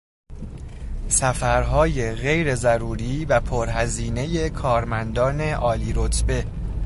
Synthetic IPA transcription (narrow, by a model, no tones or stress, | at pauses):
sæfæɾɦɒːje̞ɣe̞jɾe̞zæɾuːɾiːvæpʰoɾɦæziːne̞je̞kʰɒːɾmænd̪ɒːne̞ʔɒːliːɾot̪ʰbe̞